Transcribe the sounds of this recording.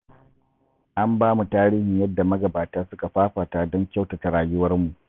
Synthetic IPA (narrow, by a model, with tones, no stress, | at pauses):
ʔa˦mbaː˦mu˨taː˦ɾiː˦hɪ˨ɲjɐ˦dːa˨mɐ˦ɡɐ˨baː˨taː˦sʊ˦ka˨ɸaː˦ɸaː˨taː˨dɔ˦ŋkʲa˦wta˨ta˨ɽaː˨jʊ˦wɐ˦rmu˨ʔ